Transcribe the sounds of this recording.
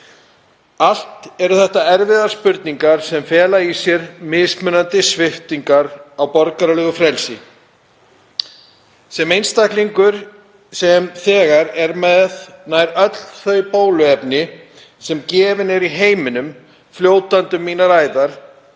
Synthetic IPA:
al̥t̪ɛɾʏθɛht̪aɛɾvɪðaɾ̥spʏɾt̪niŋkaɾ̥sɛmfɛːlaisjɛɾmɪːðsmʏnant̪ɪsvɪht̪iŋkaɾawpɔɾkaɾalɛːɣʏfɾɛlsɪ̰ | sɛmejnst̪akliŋkʏɾ̥ | sɛmθɛːɣaɾɛɾmɛðnaːjɾœt̪l̥θœɥpoːwlʏɛpnɪ | sɛmcɛːvɪnɛɾiɦeːjmɪnʏm | fljoːwt̪ant̪ʏmːiːnaɾaːjðaɾ̥

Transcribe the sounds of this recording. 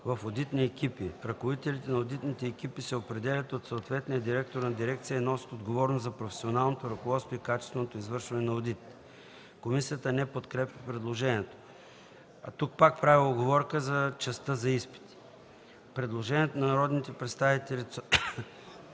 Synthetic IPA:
vɐfod̪it̪niɛkʲipiɾɐkovit̪ɛlit̪ɛnɐod̪it̪nit̪ɛːk̟ipisɛopɾɛd̪ɛlʲɐt̪ot̪soot̪vɛt̪nijəd̪iɾɛk̚t̪oɾnɐd̪iɾɛkt̪sijəinɔsi̥t̪od̪ɡovɔɾnozzɐpɾofɛ̥sionalˠnot̪oɾɐkovɔt̪st̪voikat͡ʃɛ̥st̪vɛnot̪oizvɤɾʃvɐnɛnɐod̪it̪ | komisijət̪ənɛpot̪kɾɛpjɐpɾɛd̪lˠoʒɛnʲiɛt̪o̥ | ɐ̰t̪uk̚pak̚pɾavioɡovɔɾkəzɐt͡ʃɛst̪əzɐispi̥t̪i̥ | pɾɛd̪lˠoʒɛnʲiɛt̪onɐnɐɾɔd̪nit̪ɛpɾɛt̪st̪avit̪ɛlʲit̪s

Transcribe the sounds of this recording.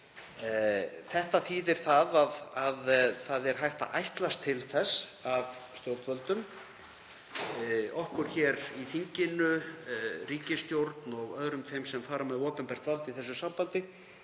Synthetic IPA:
θɛht̪aθiːðɪɾ̥θaðaðaðθaðɛɾ̥ɦajht̪a̰ʔajht̪last̪ʰːɪlθɛsːavst̪jowɾt̪vœlt̪ʏm | ɔhkʏɾ̥çɛɾiθiɲcɪnʏ | riːcɪst̪jowɾt̪nɔɣœðɾʏmfejmsɛmfaːɾamɛðɔːpʏnpɛr̥t̪valt̪iθɛsːʏsampant̪ɪ

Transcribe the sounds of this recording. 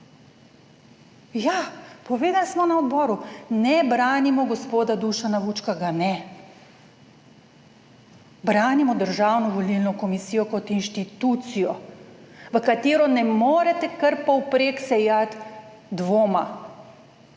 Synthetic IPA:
japɔʋeːd̪alsmɔnaɔd̪bɔːɾunɛbɾaːnimɔɡɔspoːd̪ad̪uʃanaʋuːt͡ʃkaɡanɛ | bɾaːnimɔd̪əɾʒaːwnɔʋɔlilnɔkɔmisiːjɔkɔt̪inʃt̪it̪ut̪sijɔ | ʋəkat̪eːɾɔnɛmoːɾɛt̪ɛkəɾpɔwpɾeːksɛjat̪ | d̪ʋoːma

